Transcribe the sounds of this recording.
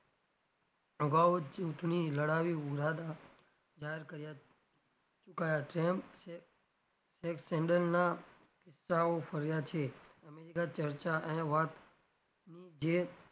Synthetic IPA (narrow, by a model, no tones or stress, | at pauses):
əɡaot͡ʃuʈɳiləɽaʋiuɾad̪a | d͡ʒaɦeɾkəɾja | t͡ʃʊkajaʈɾɛmp | seksɛɳɖəlna | kɪsːaofʰəɾjat͡ʃʰeəmeɾikat͡ʃəɾt͡ʃaʔẽʋat̪ | nid͡ʒe